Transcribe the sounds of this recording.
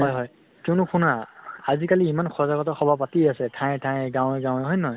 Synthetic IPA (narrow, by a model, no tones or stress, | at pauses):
ɦɔjɦɔj | kɛʊnʊkʰunaazikaliːmanxʰɔzaɡɔtɔxɔbʱapatiasɛtʰãj̃tʰãjɡãw̃ɛɡãwɛɦɔjnɔj